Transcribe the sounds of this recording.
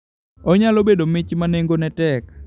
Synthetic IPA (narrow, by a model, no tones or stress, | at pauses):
ɔɲalobedomɪt͡ʃmaneŋɡonɛtɛk